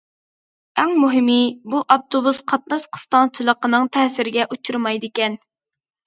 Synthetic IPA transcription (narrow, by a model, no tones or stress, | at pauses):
ɛŋmuɦɪmibuʔɑp̚t̪ʰobusqʰɑt̪̚nɑʃqʰə̥st̪ɑnt͡ʃʰilˠəqənɨŋt̪ʰɛsɪɾɪɡʲɛʔut͡ʃʰuɾmɑjd̪ɪkʲɛn